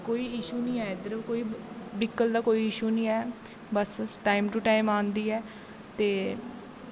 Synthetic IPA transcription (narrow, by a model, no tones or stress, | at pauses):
koːiːɪʃuːnĩːɛːɪd̪əɾkoːiːbɪkːəld̪aːkoːiːɪʃuːnĩːɛː | bəsʈaːɪmʈuːʈaːɪmaːnd̪iːɛː | t̪eː